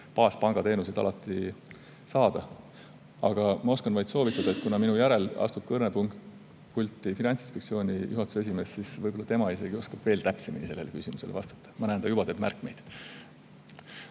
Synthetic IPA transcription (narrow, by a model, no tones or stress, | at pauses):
pɑːspɑŋɡ̥ɑt̪e̞ːnusid̪̥ɑ̰lɑt̪ːˑi | sɑːd̪̥ɑ | ɑɡ̥ɑmɑo̞skɑnvɑjt̪so̞ːvit̪ːˑɑd̪ɑet̪kunɑminujæɾe̞lɑ̰st̪ub̥̚kɤrnepuŋkt | kulʲt̪ːˑifinɑnt̪sinspekt̪sio̞ːnʲijʔuɦɑt̪ːˑu̥see̞s̬ʲime̞ːssisvɤjbo̞lːɑt̪emɑise̞ɡ̥io̞skɑb̥ve̞ːlt̪æpse̞minise̞lːelekysʲimuse̞̰levɑ̰st̪ɑ̥t̪ːˑɑ̥mɑnæːnd̪ɑjub̥ɑt̪eːb̥mæ̰rkːˑme̞̰jd̪̥